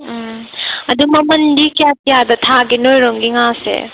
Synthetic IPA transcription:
ɐdumɐmɐndikijakijadɐtʰaɡinojɾoŋɡiŋasḛ

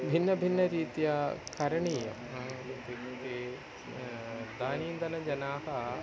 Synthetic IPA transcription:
bʱinːɐbʱinːɐɾiːt̪jɐkɐɾɐɳiːjɐ̰mib̪ʱiit̪e | d̪aːniːnd̪ɐnɐd͡ʒɐnaːɦɐ

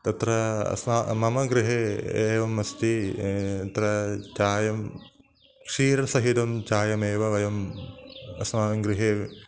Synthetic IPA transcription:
t̪ɐt̪ɾɐɐ̰smaːmɐmɐɡɾɪɦeːeːʋɐmːɐst̪i | t̪ɾɐt͡ʃaːjɐm | kʂiːɾɐsɐɦid̪ɐmt͡ʃaːjɐmeːʋɐʋɐjɐm | ɐ̰smaːɐŋɡɾɪɦeː

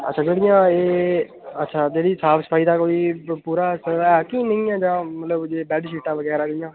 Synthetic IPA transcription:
ə̰tːʃʰãːd͡ʒeːɽɪjãːeː | ətːʃʰaːd͡ʒeːɽiːsaːpʰsə̥pʰaːiːd̪aːkoːiːpuːɾaːsəɛːkiːnɪ̃ĩːãːd͡ʒãːmət̪ləbd͡ʒeːbɛːɖʃiːʈãːʋəɡɛːɾaːɡɪjãː

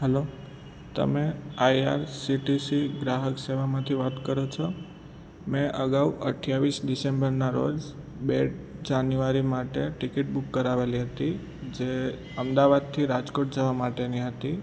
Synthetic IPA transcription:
ɦɛlo | t̪ə̰meaja̰ɾsiʈisiɡɾaɦəkseʋamãt̪ʰiʋat̪kəɾot͡ʃʰɔ | mɛ̃ʔəɡaʋə̰ʈʰjaʋisɖisẽmbəɾnaɾo̰d͡ʒ | beɖd͡ʒanjuaɾimaʈeʈikɪʈ̚bukːəɾaʋeliɦət̪i | d͡ʒe | əmd̪aʋad̪̚t̪ʰiɾad͡ʒkoʈ̚d͡ʒəʋamaʈeniɦət̪i

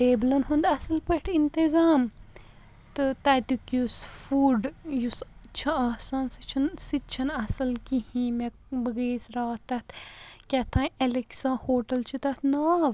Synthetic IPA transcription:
ʈeːblɐnɦund̪ɐsɐlpəʈʰint̪izaːm | t̪ɨt̪ɐt̪ukjusfuːɖjust͡ʃʰɐaːsaːnsit͡ʃʰɐnsit͡ʃʰɐnɐsɐlkihĩːmekbəɡeːsɾaːt̪ːɐt̪kʲɐt̪ʰãːɐliksãːhoːʈɐlt͡ʃʰit̪ɐt̪naːʋ

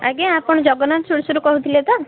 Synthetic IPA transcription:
a̰ɡeapɔɽ̃ɔd͡ʒɔɡɔnansʰuɽsɔɾukɔɦut̪ʰilet̪a

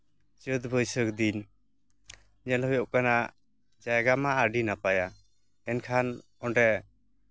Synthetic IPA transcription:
t͡ʃət̪̚bʱəjsəkd̪in | ɲɛlɦɔjɔʔkana | d͡ʒajɡamaːɾɖinapaja | ɛnkʰan | ɔnɖɛ

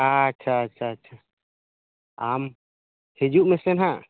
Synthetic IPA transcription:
atːʃʰatːʃʰaːtːʃʰa | am | hed͡ʒuʔmɛsɛnɦã

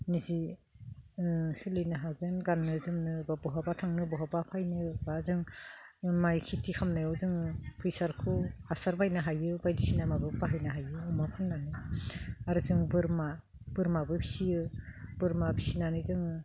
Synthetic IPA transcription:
nizi | sɯlɯjnaɦaɡenɡanːɯzɯmnɯbabɔɦabatʰaŋnɯbɔɦabapʰajnɯbazɯŋ | majkʰitʰikʰamnajɔwzɯŋɯpʰɯjsaɾkʰɯhasaɾbajnɯɦajɯbajdisinamabɯk̚baɦajnɯɦajɯːmakʰɯnːanɯ | aɾɯzɯŋbɯɾma | b̥ɯɾmabɯbʰisijɯb̥ɯɾmabʰisinanɯzɯŋɯ

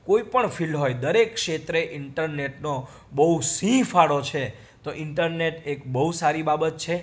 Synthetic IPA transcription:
koipəɳfʰilɦojd̪əɾekʃet̪ɾeʔɪɳʈəɾneʈno | bəɦusĩfʰaɽot͡ʃʰe | t̪oʔɪɳʈəɾneʈekbəɦusaɾibabət̪̚t͡ʃʰe

